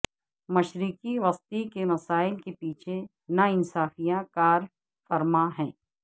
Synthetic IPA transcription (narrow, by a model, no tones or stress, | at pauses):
mɐʃɾiːkiʋɐst̪ikemɐsaːɪlkepiːt͡ʃʰe | nɐɪnsaːfijãkaːɾ | fɐɾmãɦɛ̃ː